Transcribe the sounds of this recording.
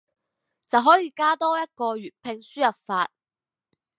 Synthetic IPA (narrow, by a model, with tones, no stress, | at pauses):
t͡sɐ˨wɦɔː˨˥jiː˨˧kaː˥t̪ɔː˥jɐ˥t̚kɔː˧ɥyː˨˩t̚pʰɪ˧ŋsyː˥jɐ˨˩p̚faː˧t̚